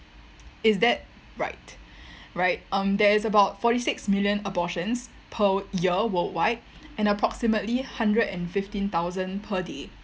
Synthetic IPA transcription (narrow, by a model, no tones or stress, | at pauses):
ɪsdɛt̚ | ɹa̰ɪtɹaɪt̚ʌ̃mdɛɪsəbaʊtfɔɾisɪksmɪljə̃nəbɔʃə̃ns | pʰəjiəwəltwaɪt̚ʔɛ̃nəpʰɹɔksimətlihãndɹədɛ̃nfɪftĩnt̪aʊzə̃npʰəde